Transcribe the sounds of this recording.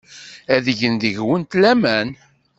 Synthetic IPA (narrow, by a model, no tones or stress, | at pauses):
æðəʝənd̪əʝwənt̪læmæn